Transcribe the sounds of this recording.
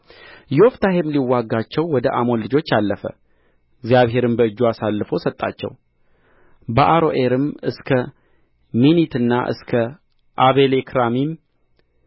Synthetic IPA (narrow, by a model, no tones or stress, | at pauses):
jɛoft̪ʰaɦemliwːaɡːat͡ʃːɛwːɔd̪əʔamo̞nlɨd͡ʒo̞t͡ʃːalːəfə̰ | ɪɡzijaβɦe̞ɾɨmbəɨd͡ʒːuasalːɨfo̞sət̪ʼːa̰t͡ʃːɛ̰w | bəʔaɾo̞ʔe̞ɾɨmɨskʰə | minit̪ɨnːa̰ʔɨ̰skʰə | ʔaβelekʰɾamim